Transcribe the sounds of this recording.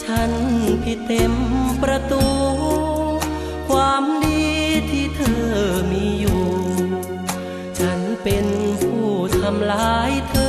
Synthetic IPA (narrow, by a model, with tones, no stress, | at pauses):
t͡ɕʰa˦˥˩npʰi˧˥t̪ːe˧mpɾa˧t̪uː˧ | kʰwaː˧mdiː˧t̪ʰiː˧˩t̪ʰɤː˧˩miː˧juː˨˩ | t͡ɕʰa˦˥˩npe˧npʰuː˧˩t̪ʰa˧mlaː˧˦jt̪ʰɤː˧